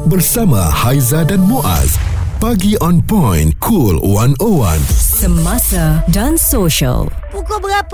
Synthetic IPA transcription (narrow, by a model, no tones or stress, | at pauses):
bərsama̰hajzadanmoʔa̰zpaɡiʔɔnpɔjnkʰulwanowã̰nsəmasadansoʃə̰lpukobəɡap